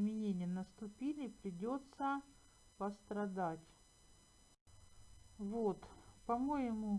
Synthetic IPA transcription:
mʲɪnʲenʲɪjənəst̪ʊpʲilʲɪːpɾʲɪdʲo̞t̪sə | pəst̪ɾɐd̪atʲ | vot̪pɐmo̞jɪmʊ

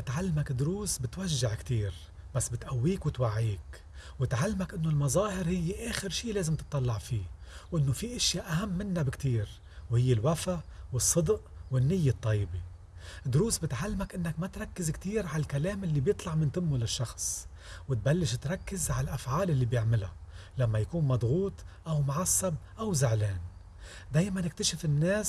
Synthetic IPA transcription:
bɪt̪ʕalːmakd̪ʊɾuːsbɪt̪waʒːaʕkt̪iːɾ | b̥asːbɪt̪ʔawːiːkwɪt̪waʕːiːk | wɪt̪ʕalːmakʔɪnːolmɑzɑːhɪɾhɪjːeʔeːxɪɾʃiːleːzɪmt̪ɨt̪ˤːɑlːɑʕfiːwʔɪnːofiʔɪʃjaʔahamːɪnːabɪkt̪iːɾ | whɪjːɪlwafawɨsˤːɨd̪ʔwɪnːɪjːet̪ˤːɑjːbe | d̪ʊɾuːsbɪt̪ʕalːɪmakʔɪnːakmat̪ɾˤɑkːɪzkt̪iːɾʕalkaleːmʔɪlːibjɨt̪ˤlɑʕmɪnt̪ɪmːʊlɪʃːɑxsˤ | wɪt̪̚balːɪʃt̪ɾˤɑkːɪzʕalʔafʕaːlʔɪlːibjɪʕmɪla̰lamːajakuːnmɑd̪ˤɣuːt̪ˤʔawmʊʕasˤːɑbʔawzɪʕleːn | d̪eːjmanɪk̚t̪aʃɪfɪnːeːs

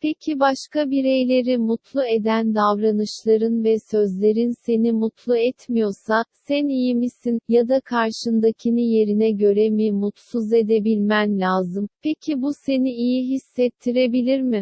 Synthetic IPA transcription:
pʰecʰibaʃkʰabiɾe̞jlʲe̞ɾimut̪ʰlˠue̞d̪ænd̪avɾanɯʃlˠaɾɯnvɛsø̞zlʲe̞ɾinse̞nimut̪lˠuɛt̪mijo̞sasænijimisinjad̪akʰaɾʃɯnd̪acʰinije̞ɾinɛɟø̞ɾemimut̪suze̞d̪e̞bilʲmænlʲaːzɯmpʰecʰibuse̞niijiɦisːɛt̪ʰːiɾe̞bilʲiɾmɪ

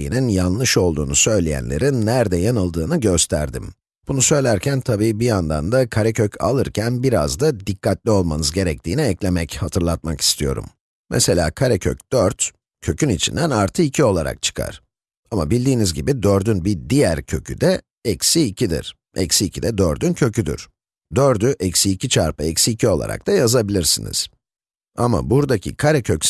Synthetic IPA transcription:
jḭninjanlˠɯʃo̞lˠd̪ṵːnusø̞jlʲejæ̰nlʲḛɾinːæɾd̪ɛjanɯlˠd̪ɯːnɯɟø̞st̪ʰæ̰ɾd̪ḭm | b̥unusø̞jlʲæɾcʰænt̪ʰabiːbijand̪a̰nd̪akʰaɾɛcʰøcʰa̰lˠɯɾcʰænbiɾa̰zd̪ad̪ikʰːat̪lʲio̞lˠmanɯzɟe̞ɾɛc̚t̪ʰiːniɛclʲe̞mɛchat̪ʰɯɾlˠat̪̚maki̥st̪ʰijo̞̰ɾṵmː | ɛ̰se̞lʲa̰ːkʰaɾɛcʰøcd̪̥øɾt̪ | cʰø̞cynit͡ʃʰind̪ænaɾt̪ʰɯicʰio̞lˠaɾa̰k̚t͡ʃʰɯ̥kʰa̰ɾ̥ | ama̰bilʲd̪iːnizɟibid̪øɾd̪ynbid̪ijæɾcʰø̞cʰy̰d̪ɛ | ɛcsiːcʰid̪ḭɾ̥ | ɛ̰csiːcʰid̪ɛd̪øɾd̪yncʰø̞cʰyd̪y̰ɾ̥ | d̪øɾd̪yʔɛcsiːcʰit͡ʃʰaɾpɯɛcsiːcʰio̞lˠa̰ɾʔa̰k̚t̪ʰajazabilʲiɾsinḭz̥ | ama̰buɾd̪acʰḭkʰaɾɛcʰøc

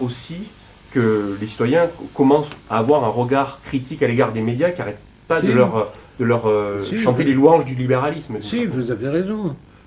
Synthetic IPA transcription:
osi | kəlesi̥t̪wajɛ̃kɔmɑ̃saːvwaʁɛ̃ʁəɡaʁkχit̪ikaleɡaʁd̪emed̪jakiaʁɛt̪̚ | pad̪əlœʁd̪̥əlœʁøʃɑ̃t̪eleluɑ̃ʒd̪ylibeʁalismsivuzavjɛʁezɔ̃

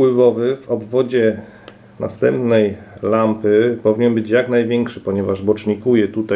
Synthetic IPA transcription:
wɘvɔvɘvɔbvɔd͡ʑɛ | na̰st̪ɛmpnɛjlampɘpɔvʲiɲɛnbɘt͡ɕjaknajvʲjɛŋkʂɘpɔɲɛvaʐbɔt͡ʂɲikujɛt̪ut̪a

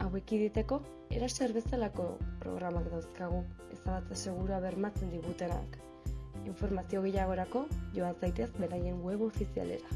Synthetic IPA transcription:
awe̞kiðit̪e̞ko̞ | e̞̰ɾaseɾβe̞selako̞pɾo̞̰ɣɾamakd̪awskaɣ̞u | e̞saβat͡sese̞ɣ̞uɾuaβe̞ɾmat͡se̞nd̪iβut̪e̞na̰k | iɱfo̞ɾmasio̞ɣe̞jaɣ̞o̞ɾako̞ʝo̞ansajt̪e̞sbe̞ɾaje̞ŋɡwe̞βo̞fisia̰le̞̰ɾa

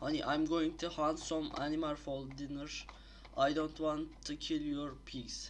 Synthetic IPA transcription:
aniʔãj̃mɡoɪ̃ŋt̪ʰuhãnsɔ̃ma̰nimalfɔlˠdɪnəɾ | ʔajdõntwɔ̃ntʰːukʰɪlˠjɔɹpʰis

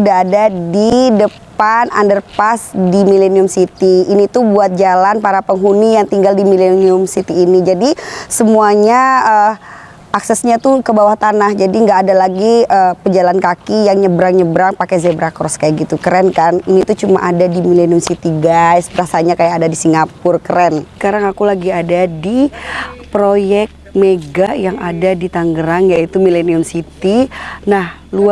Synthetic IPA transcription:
udaːdadidəpana̰ndərpasdimileniʊmsit̪iːnit̪ubuat̪̚d͡ʒalanpaɾapəŋɦunijaŋt̪iŋɡaldimileniʊmsit̪iːnid͡ʒadisəmuaɲaə | aksɛsɲat̪ukəbawaht̪anahd͡ʒadiŋɡaʔːdalaɡiəpəd͡ʒalankakijaŋɲəbəɾaŋɲəbəɾaŋpakɛzɛbɾakɔrskajaɡit̪ukəɾɛnkaniniːt̪ut͡ʃumaʔadadimileniʊmsit̪iɡajsbəɾasaɲakajaadadisiŋɡapʊrkəɾɛnə̥kaɾaŋakulaɡiadadi | pɾojɛk̚t̪̚meɡajaŋadadit̪aŋɡəɾaŋjait̪umileniʊmsit̪inah | lu

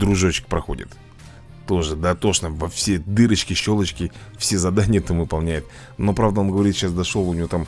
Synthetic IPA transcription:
d̪ɾʊʐot͡ɕɪ̥k̚ʲpɾɐxo̞̰dʲɪ̰t̪ː | o̞ʐɨd̪at̪o̞ʂnəvɐfsʲed̪ɨɾət͡ɕkʲɪɕːo̞lˠət͡ɕkʲɪ | fsʲe̞zɐd̪anʲɪjət̪amvɨpɐlˠnʲæjɪt̪̚ | no̞pɾavd̪əo̞nɡəvɐɾʲit̪ɕasd̪ɐʂolˠʊnʲɪvʲo̞t̪am

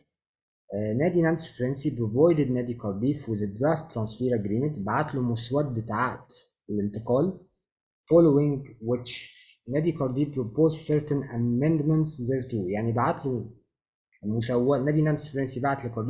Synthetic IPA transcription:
næːd̪inænsfɾensibɾovɑjd̪ed̪næːd̪ikɑɾˤd̪iːfwɪzed̪ɾæːft̪ːɾɑ̃nsfiːɾæɡɾiːment̪baʕat̪lomoswæt̪̚bɪt̪aʕat̪ | elɪnt̪ɨqɑːl | fɑlowɪŋɡwɪt͡ʃnæːd̪ikɑɾd̪iːbɾopoːzseɾt̪enʔæmend̪ment̪sziɾt̪ujaʕnibaʕat̪lu | mʊsæwːænæːd̪inænsfɾensibaʕat̪lekɑɾd̪i

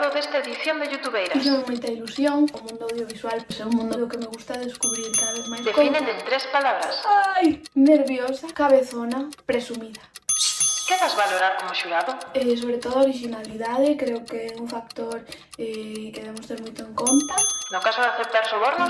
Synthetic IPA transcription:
ðoðest̪aeðiθjond̪eʝut̪uβejɾaiʃ̬omujt̪ailusjoŋomũnd̪oawðjoβiswalpeseumũnd̪oðokemeɣust̪aðeskuβɾiɾkaðaβeθmajsd̪ekinend̪ent̪ɾespalaβɾasajneɾβjosakaβeθonapɾesumiða | keɣazβaloɾaɾkomoʃuɾaðʊes̬oβɾet̪oðoaoɾiʃinaliðaðekɾeokeɛuɱfak̚t̪oɾ | ɛkeðeβemost̪eɾmujt̪oeŋkont̪anokasoaθep̚t̪aɾsoβoɾno

